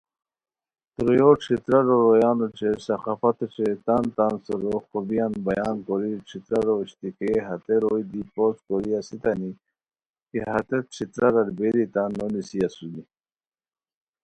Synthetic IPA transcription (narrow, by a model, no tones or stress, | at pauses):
t̪ɾojoʈ͡ʂʰit̪ɾaɾoɾojɑːnuʈ͡ʂesɐxafat̪oʈ͡ʂet̪ant̪ansɔɾoxɔbijanbajaːnkoɾiʈ͡ʂʰit̪ɾaɾoɕt̪ikeɦat̪eɾojd̪iposkoɾiasit̪ani | keɦat̪eʈ͡ʂʰit̪ɾaɾaɾbeɾit̪anonisiasud̪i